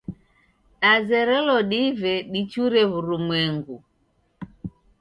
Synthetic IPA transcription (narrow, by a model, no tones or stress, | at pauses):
ɗazɛɾɛlɔɗivɛɗit͡ʃuɾɛβuɾumwɛŋɡu